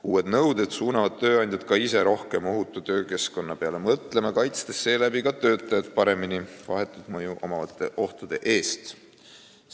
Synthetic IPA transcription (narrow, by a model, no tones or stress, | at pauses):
uːe̞d̪nɤwd̪ed̪̥suːnɑvɑd̪̥̚t̪ø̞ːɑjnʲd̪̥ʲjɑd̪̚kɑise̞ɾo̞hke̞mo̞ɦut̪ːˑut̪ø̞ːke̞sko̞nːɑpe̞ɑle̞mɤt̪le̞mɑkɑjt̪st̪e̞sːe̞ːlæbikɑt̪ø̞ːt̪ːˑɑjɑd̪̚pɑɾe̞minivɑɦe̞t̪ːˑud̪̥mɤjuʔo̞̰mɑvɑt̪ːˑe̞̰ʔo̞ht̪ud̪̥e̞ʔe̞ːst̪